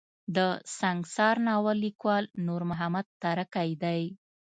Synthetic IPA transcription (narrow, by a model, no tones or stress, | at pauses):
d̪əsaŋɡsɑɾnɑwalːikwɑlnuɾmʊɦamad̪̚t̪aɾakajd̪aj